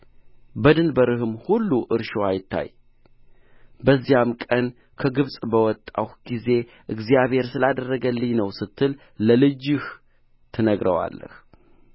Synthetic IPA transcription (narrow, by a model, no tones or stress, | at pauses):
bəd̪ɨnbəɾɨhɨmhulːuʔɨɾʃoajɪt̪ʰːa̰j | bəzːijamkʼən | kʰəɡɨβsʼbəwɔt̪ʼːa̰whɡ̥ize̞ | ʔɨɡzijaβhe̞ɾsɨlad̪ərːəɡəlːɨɲnəwsɨt̪ʰːɨl | ləlɨd͡ʒɨh | t̪ʰɨnəɡɾəwa̰lːə̰h